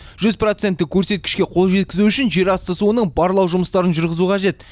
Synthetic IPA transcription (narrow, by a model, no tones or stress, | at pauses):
ʒ̥ʏzpro̞t̪se̞nt̪ːɪkʲʰɵɾse̞t̪̚kʲɪʃkʲe̞qʰo̞lˠʒe̞t̪kʲɪzuʏʃɪnʒe̞ɾɑst̪əsuənəɴbɑɾlˠɑwʒʊməst̪ɑɾənʒʊɾʁəzuqʰɑʒe̞t̪